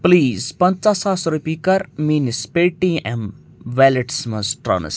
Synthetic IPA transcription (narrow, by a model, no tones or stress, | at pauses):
pliːzpɐ̃nt͡ʃasaːsɾupʲikɐɾmiːnispeʈiɛ̃m | ʋɛleʈsmɐsʈɾɐ̰n̰s